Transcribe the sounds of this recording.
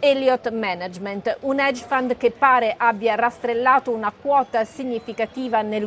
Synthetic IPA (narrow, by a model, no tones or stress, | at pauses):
ɛljɔt̪mɛnad͡ʒment̪unɛd͡ʒfand̪k̟epːaːɾeʔabːjarast̪ɾelːaːt̪ounakwɔːt̪asiɲːifikat̪iːvanel